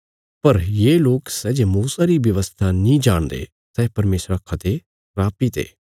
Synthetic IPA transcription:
pɐɾjeːloːksɛːd͡ʒemuːsaɾiʋjɐʋəst̪ʰanĩd͡ʒaːɽ̃d̪ḛː | sɛːpɐɾmeːsɾakʰɐt̪e | ɾaːpit̪ʰḛː

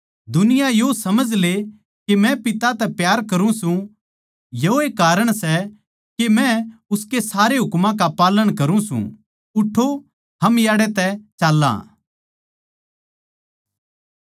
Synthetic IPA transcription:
d̪ʊnɪjajosɐməd͡ʒʱle | kemɛ̃pɪt̪at̪ɛpjaːɾkɐɾũsũ | joeːkaːɾəɽ̃sɛ | kemɛ̃ʊskesaːɾeɦʊkmãkapaːləɽ̃kɐɾũsṵ̃ | ʊʈʰːo | ɦɐmjaːɽɛt̪ɛt͡ʃaːlːã̰ː

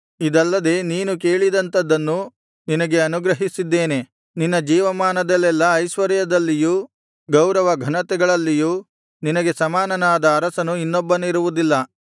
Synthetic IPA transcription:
id̪ɐlːɐd̪e̞ːniːnuke̞ːɭid̪ɐnt̪ɐd̪ːɐnːu | ninɐɡeɐnuɡɾɐɦisid̪ːe̞ːne̞ | ninːɐd͡ʒiːʋɐmaːnɐd̪ɐlːɛlːɐːjʃʋɐɾjɐd̪ɐlːiju | ɡɐwɾɐʋɐɡʱɐnɐt̪ɛɡɐɭɐlːijuː | ninɐɡe̞sɐmaːnɐnaːd̪ɐːɾɐsɐnuinːɔbːɐniɾuʋud̪ilːɐ

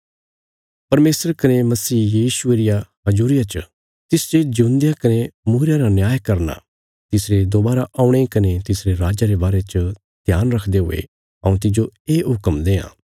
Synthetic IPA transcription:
pɐɾmeːsəɾkɐnemɐsiːjiːʃʊeɾɪjaɦɐd͡ʒuːɾɪjat͡ʃə | t̪ɪsd͡ʒed͡ʒʊnd̪ɪjakɐnemuːɾjaɾanjaːjkɐɾna̰ | t̪ɪsɾed̪obaːɾaʔaːʊ̃ɽ̃ekɐnet̪ɪsɾeɾaːd͡ʒaɾebaːɾet͡ʃə | d̪̥ʱjaːnɾɐkʰd̪eɦʊ̰ḛ | ɐ̰ũt̪ɪd͡ʒoeːɦʊkəmd̪eːã̰ː

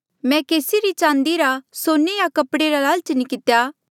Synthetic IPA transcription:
mɛ̃keːsiɾit͡ʃãːnd̪iɾasoːnejakɐpɽeɾalaːlt͡ʃənikɪt̪jaː

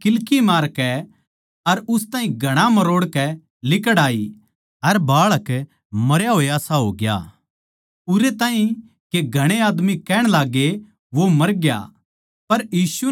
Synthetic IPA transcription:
kɪlkimaːɾkɛ | ɐɾʊst̪ãːɦĩɡʱɐɽ̃amɐɾoːɽkɛ | lɪkəɽaːi | ɐɾbaːɭək | mɐɾjaɦoːeɐsaɦoːɡɪja̰ː | ʊɾet̪aːɦĩ | keɡʱɐɽ̃eaːd̪mikɛːɽ̃laːɡe | ʋomɐɾɡja̰ | pɐɾjiːsu

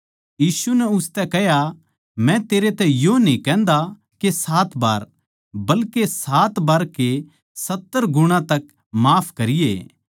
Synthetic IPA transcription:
jiːsunɛʊst̪ɛkɛɦja | mɛ̃t̪eːɾet̪ɛ̃jonĩkɛ̃ːnd̪a | kesaːt̪ba̰ːɾ | bɐlkesaːt̪baːɾke | sɐt̪ːəɾɡʊɽ̃ãt̪ɐk | maːpʰkɐɾɪjḛː

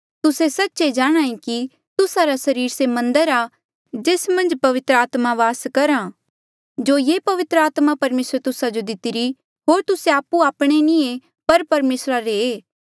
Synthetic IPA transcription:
t̪ʊsesɐtːʃed͡ʒaːɽ̃ãːĩki | t̪ʊsaɾasɐɾiːɾsemɐ̃nd̪əɾa | d͡ʒeːsmɐ̃nd͡ʒpɐʋɪt̪ɾəaːt̪maʋaːskɐɾã | d͡ʒoːjeːpɐʋɪt̪ɾəaːt̪mapɐɾmeːsɾt̪ʊsad͡ʒod̪ɪt̪ɪɾi | ɦoːɾt̪ʊseaːpːuaːpɽ̃enĩe | pɐɾpɐɾmeːsɾaɾeː

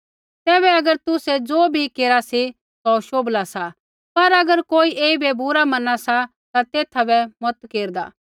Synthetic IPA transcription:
t̪ɛːβɛɐɡəɾt̪ʊsɛd͡zoːbʱikeːɾasi | sɔʃoːblasa | pɐɾɐɡəɾkoːiʔeːibɛbʊɾamɐnasa | t̪at̪eːt̪ʰabɛmɔt̪keːɾd̪a̰ː

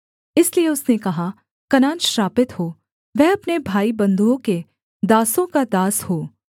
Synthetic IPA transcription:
ɪslieʊsnekɐɦa | kɐnaːnʃɾaːpɪt̪ɦoː | ʋɛːɐpnebʱaːibɐ̃nd̪uõke | d̪aːsõkad̪aːshoː

